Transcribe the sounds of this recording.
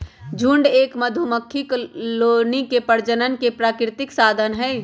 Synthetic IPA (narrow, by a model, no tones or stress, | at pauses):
d͡ʒʱũɳɖeːkməd̪ʱuməkʰːikloːnikepəɾd͡ʒənənkepɾaːkɾɪt̪ɪksaːd̪ʱənɦɛː